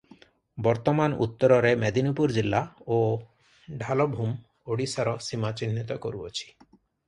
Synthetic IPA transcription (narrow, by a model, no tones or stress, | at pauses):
bɔɾt̪ɔmanṵt̪ːɔɾɔɾemɛd̪inipuɾd͡ʒilːao | ɖʱalɔbʱum | oɽisaɾɔsimat͡ɕinːit̪ɔko̰ɾuo̰t͡ʃʰi̥